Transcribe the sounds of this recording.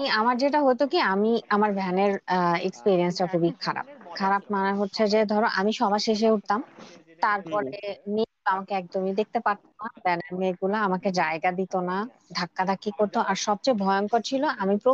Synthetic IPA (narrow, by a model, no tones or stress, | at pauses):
iamaɾd͡ʑeʈaɦojt̪okiamiamaɾbʱɛneɾḛkspiɾiensʈakʰubikʰaɾa̰p̚kʰaɾap̚maneɦotːɕʰed͡ʑed̪ʱɔɾoʔamiʃɔbʱaʃeʃ̬euʈ̚t̪amt̪aɾpɔɾemeɡulamakeɛk̚d̪omid̪ek̚t̪epaɾt̪onabʱɛneɾmeɡulaamaked͡ʑaeɡad̪it̪ona | ɖʱakːad̪akːikoɾt̪oʔaɾʃɔb̚t͡ɕajbʱɔeonkoɾt͡ɕʰiloʔamipɾo